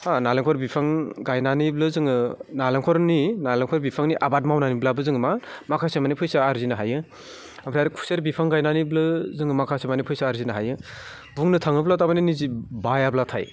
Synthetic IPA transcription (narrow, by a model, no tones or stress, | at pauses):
analeŋkʰɔɾbipʰaŋɡajnaniblɯzɯŋɯnaleŋkʰɔɾninalaŋkʰɔɾbipʰaŋniʔabat̚mawnaniblabɯzɯŋɯmamakʰasemanipʰɯjsaːɾzinaɦajɯ | ampʰɾaɾikʰu̥seɾbipʰaŋɡajnaniblɯzɯŋɯmakʰasemanipʰɯjsaːɾzinaɦajɯ | buŋnɯtʰaŋɯblatamaninizibajablatʰaj